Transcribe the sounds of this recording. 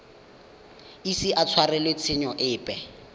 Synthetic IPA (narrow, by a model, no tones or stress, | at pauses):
isiʔat͡sʰwarɛlwet͡sʰɪɲɔʔɪːpʼɛ